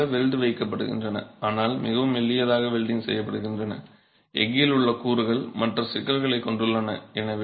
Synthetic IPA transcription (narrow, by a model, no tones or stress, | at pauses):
ɐʋɛɻd̪ɯʋɐɪkːɐpːɐɽɯ̰ɣɪ̰ndrɐnɐ̰aːnaːlmɪɣɐʋɯmɛlːɪjɐðaːɣɐʋɛlɖ̪ɪŋsɛ̰jːɐpːɐɽɯɣɪndrɐnɐ̰ | ʔɛ̰ŋɡɪlɯɭːɐkuːɾɯɣɐɭmɐʈrɐsɪkːɐɾɣɐɭɐɪkːɔɳɖɯɭːɐnɐ̰ɛnɐʋ